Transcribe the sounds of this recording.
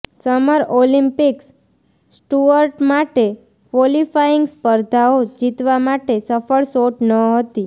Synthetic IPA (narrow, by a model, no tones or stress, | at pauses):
səməɾolĩmpiks | sʈuəɾʈmaʈe | kʋolifajiŋɡspəɾd̪ʱaod͡ʒit̪ʋamaʈesəfəɭsoʈnəɦət̪i